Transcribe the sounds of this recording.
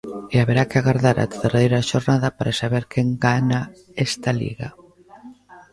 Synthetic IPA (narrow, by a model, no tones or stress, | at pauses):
eaβeɾakeaɣaɾðaɾa̰t̪ðerejɾaʃoɾnaðapaɾʔasaβeɾkʰɛŋɡana | ɛst̪alḭɣa̰